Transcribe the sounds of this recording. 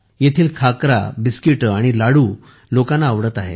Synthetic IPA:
jet̪ʰiːlkʰakɾa̰biskiʈaɽ̃ilaɽuː | lokãnːaːʋɽət̪aɦḛ

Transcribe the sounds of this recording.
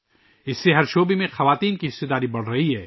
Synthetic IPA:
ɪsːeɦɐɾʃoːbemẽxɐʋaːt̪iːnkiɦɪst̪ed̪aːɾibɐɽ̤ɾɐɦiɦɛː

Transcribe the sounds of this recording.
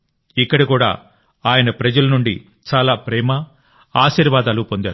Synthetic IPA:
ikːɐɽikuːɽa̰ː | aːjɐnɐpɾɐd͡ʒɐlɐnuɳɖi | t͡ʃaːlaːpɾɛːmɐ | aːʃiːɾʋaːd̪aːlupo̞nd̪aːɾu

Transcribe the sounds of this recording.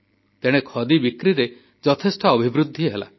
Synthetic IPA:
t̪eɽ̃ekʰɔd̪ibikɾiɾe | d͡ʒɔt̪ʰesʈɔːbʱibɾud̪ʱːiɦela̰

